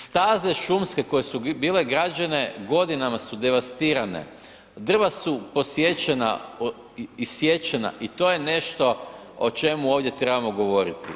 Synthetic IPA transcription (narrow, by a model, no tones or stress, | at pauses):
st̪aːze̞ʃumske̞ko̞jesubiːle̞ɡɾad͡ʒane̞ɡo̞d̪inamasud̪e̞ʋast̪iːɾane̞̰ | d̪r̩ʋasupo̞sje̞t͡ɕena̰ | isje̞t͡ɕena̰ʔit̪o̞ːje̞ne̞ʃt̪o̞ | ot͡ʃe̞muoːʋdje̞t̪ɾe̞bamoɡo̞ʋo̞ɾit̪i